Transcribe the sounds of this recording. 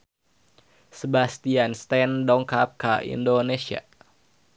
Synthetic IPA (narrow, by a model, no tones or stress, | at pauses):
səbast̪ianst̪ɛndɔŋkap̚kaḭndonesia̰